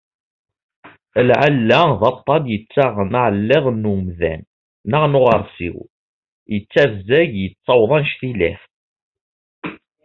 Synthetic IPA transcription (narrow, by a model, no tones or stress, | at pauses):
lʕalːæðɑt̪ˤːɑd̪jət͡sːaʁnaʕəlːɪʁnːumðæ̰nː | əʁnʊʁəɾˤsḭw | jət͡sːævzæʝjət͡sˤːɑwðˤɑnʃθilæ̰θ